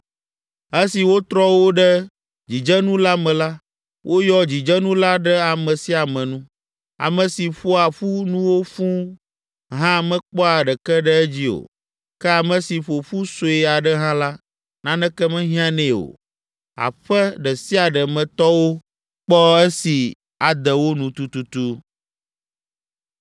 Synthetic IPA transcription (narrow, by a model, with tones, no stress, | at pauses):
ɛ˦si˨wo˦t̪ɾɔ˦wo˦ɖɛ˦ | d͡ʑi˨d͡ʒɛ˦nũ˦la˦mɛ̃˨la˦ | wʔo˦jɔ˦d͡ʑi˨d͡ʒɛ˦nũ˦la˦ɖɛ˦a˨mɛ̃˨si˦a˨mɛ̃˨nũ˦ | a̰˨mə̃˨si˨fo˦a˨ɸu˦nũ˦wo˦fũ˦ | ɦã˦˨mɛ̃˦k͡pɔ˦a˨ɖɛ˨kɛ˦ɖɛ˦ɛ˦d͡ʑi˦o̰˨ | kɛ˦a˨mɛ̃˨si˨ɸo˨ɸu˦so˨˦i˦a˨ɖɛ˦ɦã˦la˦ | nã˦nɛ̃˦kɛ˦mɛ̃˦ɦĩ˦ã˦nɛ̃˨o̰˨ | a̰˨ɸɛ˦ɖɛ˨si˦a˨ɖɛ˨mɛ̃˨t̪ɔ˦wo˦ | k͡pɔ˦ɛ˦si˨ | a˨d̪ɛ˨wo˦nũ˨t̪u˦t̪u˦t̪u˦